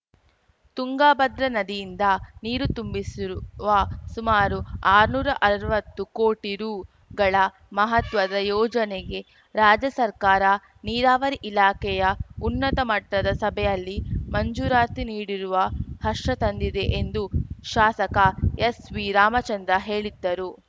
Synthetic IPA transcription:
t̪uŋɡaːbɐd̪ɾɐnɐd̪ijind̪ɐniːɾut̪umbisiʋɐsumaːɾuaːɾnuːɾɐʔɐɾɐɾuʋɐt̪ːukoːʈiɾuː | ɡɐɭɐ | mɐɦɐt̪ʋɐd̪ɐjɔːd͡ʒɐneɡe̞ | ɾaːd͡ʒɐsɐɾkaːɾɐ | niːɾaːʋɐɾiʔilaːkɛjɐunːɐt̪ɐmɐʈːɐd̪ɐsɐbʱɛjɐlːimɐɲd͡ʒuːɾaːt̪iniːɽiɾuʋɐhɐʂːɐt̪ɐnd̪id̪e̞ʔend̪uʃaːsɐkɐesʋiɾaːmɐt͡ʃɐnd̪ɾɐɦe̞ːɭid̪ːɐɾu

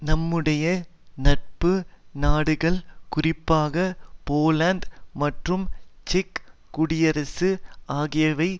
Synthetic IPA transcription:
nɐmːɯɽɐjɐ | nɐʈ̚pɯnaːɽɯɣɐɭkʊrɪpːaːɣɐpoːlaːnd̪mɐʈrɯmt͡ʃɪkːʊɽɪjɐɾɐsɯaːɣɪjɐʋɐɪ

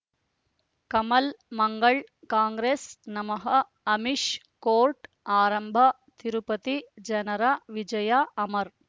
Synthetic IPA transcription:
kɐmɐlmɐŋɡɐɭ | kaːŋɡɾeːsnɐmɐɦɐ | ɐmiʃ | koːɾʈ | aːɾɐmbʱɐ | t̪iɾupɐt̪id͡ʒɐnɐɾaʋid͡ʒɐjaɐmɐɾ

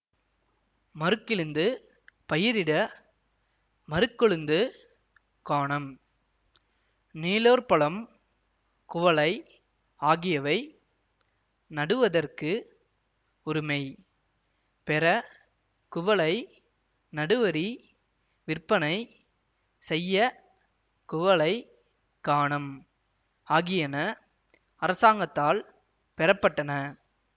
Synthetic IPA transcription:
mɐɾɯkːɪɾɯnd̪ɯ | pɐjɪɾɪɽɐ | mɐɾɯkːɔɭɯnd̪ɯ | kaːɳɐm | niːloːɾpɐɭɐm | kʊʋɐɭɐɪ | aːɣɪjɐʋɐɪ | nɐɽɯʋɐðɐrkɯ | ʊɾɯmɐɪ | pɛɾɐ | kʊʋɐɭɐɪ | nɐɽɯʋɐɾi | ʋɪrpːɐnɐɪ | sɛjːɐ | kʊʋɐɭɐɪ | kaːɳɐm | aːɣɪjɐnɐ | ɐɾɐsaːŋɡɐt̪ːaːl | pɛɾɐpːɐʈːɐnɐ

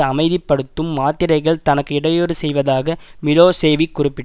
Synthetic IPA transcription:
ɐmɐɪðɪpːɐɽɯt̪ːɯmːaːt̪ːɪɾɐɪɣɐɭt̪ɐnɐkːɯɪɽɐjoːɽɯsɛjʋɐðaːɣɐmɪloːseːʋikːʊrɪpːɪʈ

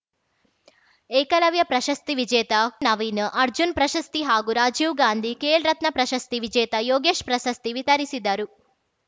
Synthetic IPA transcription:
eːkɐlɐʋjɐpɾɐʃɐst̪iʋid͡ʒɛːt̪ɐnɐʋiːnʔɐɾd͡ʒunpɾɐʃɐst̪iɦaːɡuɾaːd͡ʒiːʋɡaːnd̪ʱikeːlɾɐt̪nɐpɾɐʃɐst̪iʋid͡ʒɛːt̪ɐjoːɡeːʃpɾɐʃɐst̪iʋit̪ɐɾisid̪ːaːɾu

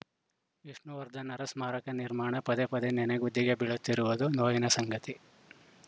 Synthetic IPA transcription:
ʋiʂnuʋɐɾd̪ʱɐnɐɾɐsmaːɾɐkɐniɾmaːɳɐpɐd̪epɐd̪enɛneɡud̪ʱːiɡe̞biɭut̪ːiɾuʋud̪unoːjinɐsɐŋɡɐt̪i

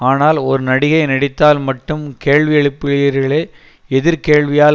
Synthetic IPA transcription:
aːnaːlɔɾɯnɐɽɪɣɐɪnɐɽɪt̪ːaːlmɐʈːɯmkeːɻʋɪjɐɭɪpːɪɭɪɐɾɣɐɭeː | ɛðɪɾkeːɭʋɪjaː

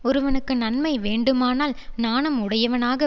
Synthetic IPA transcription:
ɔɾɯʋɐnɯkːɯnɐnmɐɪʋeːɳɖɯmaːnaːlnaːnɐmʊɽɐjɐʋɐnaːɣɐ

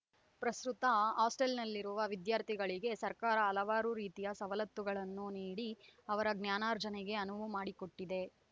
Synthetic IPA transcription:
pɾɐsɾut̪ɐaːsʈelnɐlːiɾuʋɐʋid̪jaːɾt̪ʰiɡɐɭiɡe̞sɐɾkaːɾɐːlɐʋaːɾuɾiːt̪ijɐsɐʋɐlɐt̪ːuɡɐɭɐnːuniːɽiɐʋɐɾɐɡnjaːnaːɾd͡ʒɐnɛɡe̞ɐnuʋumaːɽiko̞ʈːid̪e̞

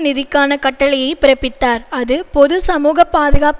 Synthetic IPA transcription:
nɪðɪkːaːnɐkɐʈːɐɭɪjɐɪpɪɾɐpːɪt̪ːaːɾɐðɯpɔðɯsɐmuːɣɐpːaːðɯɣaːp

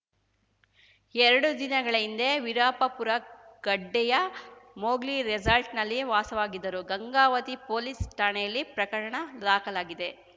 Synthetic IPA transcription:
ɛɾɐɽud̪inɐɡɐɭɐind̪eʋiɾaːpɐpuɾɐɡ̥ɐɖːɛjɐmoːɡliɾed͡ʒɐlʈnɐlːiʋaːsɐʋaːɡid̪ːɐɾuɡɐŋɡaːʋɐt̪ipoːlisʈaːɳejɐlːipɾɐkɐɾɐɳɐɾaːkɐlaːɡid̪e̞

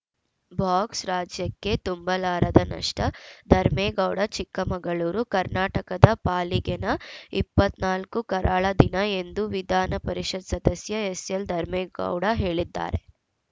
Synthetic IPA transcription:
bʱaːksɾaːd͡ʒjɐkːe̞t̪umbɐlaːɾɐd̪ɐnɐ̰ʂʈɐd̪ʱɐɾmeːɡɐwɽɐt͡ʃikːɐmɐŋɡɐɭuːɾukɐɾnaːʈɐkɐd̪ɐpaːliɡenɐipːɐt̪naːlkukɐɾʔaːɭɐd̪inɐe̞nd̪uʋid̪ʱaːnɐpɐɾiʃɐd̪sɐd̪ɐsjɐesjɐld̪ʱɐɾmeːɡɐ̰wɽɐɦe̞ːɭid̪ːa̰ːɾe̞̰

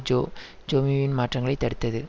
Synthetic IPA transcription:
d͡ʒo | d͡ʒoːmiʋɪnmaːʈrɐŋɡɐɭɐɪt̪ːɐɽɯt̪ːɐðɯ

